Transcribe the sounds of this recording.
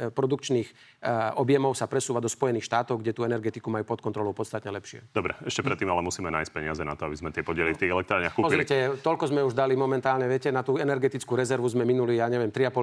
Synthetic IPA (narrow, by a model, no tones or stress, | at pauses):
pɾɔd̪ukt͡ʃniːx | ɔbjɛmɔʊsapɾɛsuːʋad̪ɔspɔjɛniːxʃt̪aːt̪ɔʊɡɟɛt̪uɛnɛɾɡɛt̪ikumajuːpɔt̪̚kɔnt̪ɾɔlɔʊpɔt͡st̪at̪ɲɛlɛpʃɪɛ̰d̪ɔbɾɛ̰ɛʃcɛpɾɛt̪ːiːmalɛmusiːmɛna̰ːjsc̚pɛɲɪazɛna̰t̪ɔabizmɛt̪ɪɛpɔɟɪɛlift̪iːɣɛlɛkt̪ɾaːɾɲɪaxkuːpɔzɾicɛt̪ɔʎkɔzmɛuʒd̪alimɔmɛnt̪aːlɲɛʋɪɛcɛnat̪uːɛnɛɾɡɛt̪it͡skuːɾɛzɛɾʋuzmɛminulijaːɲɛʋɪɛmt̪ɾiapɔ